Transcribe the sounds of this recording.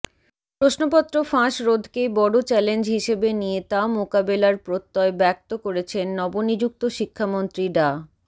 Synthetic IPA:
pɾoʃnopɔt̪ːɾofãʃɾod̪ʱkebɔɽot͡ɕɛlend͡ʑɦiʃebenijet̪amokabelaɾpɾot̪ːɔebɛk̚t̪okoɾet͡ɕʰenːɔbonid͡ʑuk̚t̪oʃikʰːamont̪ɾiɖa

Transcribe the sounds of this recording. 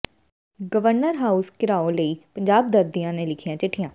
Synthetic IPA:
ɡəʋəɾnəɾɦaːuskɪɾaːõːləiːpəɲd͡ʒaːb̚d̪əɾd̪ijãːneːlɪkʰijãːt͡ʃɪʈʰːijãː

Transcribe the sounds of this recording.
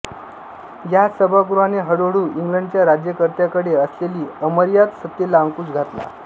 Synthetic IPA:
jasəbʱaɡuɾʋaneɦəɽoɽuːʔiŋɡləɳɖt͡ɕjaɾad͡ʑjəkəɾt̪jakəɽeəsleliːəməɾjat̪sət̪ːelaəŋkuːt͡sɡʱat̪la̰

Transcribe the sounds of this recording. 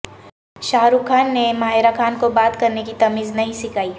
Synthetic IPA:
ʃaːɾukʰaːnːemaːɦɪɾakʰaːnkobaːt̪kɐɾnekit̪ɐmiːznɐɦĩsɪkaːiː

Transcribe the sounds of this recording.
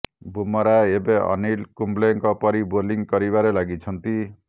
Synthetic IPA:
bʱumɔɾaebeɔ̰nilkumbleŋkɔpɔɾiboliŋkʌɾibaɾelaɡit͡ʃʰʌnt̪i

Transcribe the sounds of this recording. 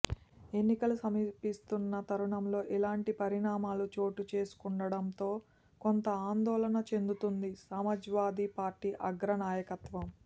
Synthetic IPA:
e̞nːikɐlusɐmipist̪unːɐt̪ɐɾuɳɐmlo̞ːʔilaːɳʈipɐɾiɳaːmaːlut͡ʃo̞ːʈut͡ʃe̞ːsu̥kuɳɖɐɽɐnt̪o̞ː | kont̪ɐaːnd̪ɔːlɐnɐt͡ʃe̞nd̪ut̪und̪isaːmɐd͡ʒʋaːd̪ipaːɾʈiːʔɐɡɾɐnaːjɐkɐt̪ʋɐm

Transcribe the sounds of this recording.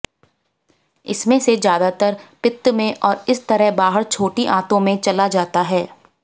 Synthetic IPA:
ɪsmẽsed͡ʒjaːd̪at̪əɾpɪt̪ːmẽʔɔːɾɪst̪ɐɾəɦbaːɦəɾt͡ʃʰoːʈiʔãːt̪õmẽt͡ʃɐlad͡ʒaːt̪aɦɛː

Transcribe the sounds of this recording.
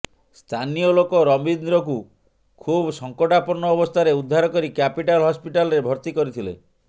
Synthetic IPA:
st̪ʰanijɔlokɔɾɔmbinɾɔk̬u | kʰubɔsɔŋkɔʈapɔɾɳɔːbɔst̪ʰaɾeud̪ʱːaɾɔkɔɾikapiʈalɦɔspiʈalɔɾebʱɔɾt̪ikɔɾit̪ʰilḛ

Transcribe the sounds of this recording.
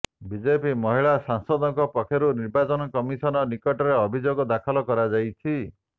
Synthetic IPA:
bid͡ʒepimɔɦiɭasaŋsɔd̪ɔŋkɔpɔkʰɔɾuniɾbat͡ʃɔnɔkɔmisɔnɔnikɔʈɔɾeɔbʱid͡ʒoɡɔd̪akʰɔlɔkɔɾad͡ʒajt͡ʃʰi

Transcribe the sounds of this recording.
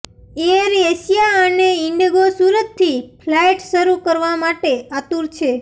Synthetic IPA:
eɾeʃijaəneɪɳɖɡosuɾət̪ʰːipʰlajʈʃəɾukəɾʋamaʈeat̪uɾt͡ʃʰe

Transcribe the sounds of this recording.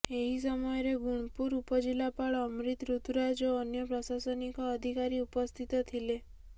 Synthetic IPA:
eɦis̬ɔmɔjɔɾeɡuɽ̃puɾupɔd͡ʒilapaɭɔmɾit̪ɾut̪uɾad͡ʒɔːnjɔpɾɔsasɔnikɔːd̪ʱikaɾiupɔst̪ʰit̪ɔt̪ʰile

